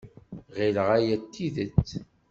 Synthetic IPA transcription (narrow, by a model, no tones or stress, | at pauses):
ʁiləʁæjæt̪ːiðət͡sː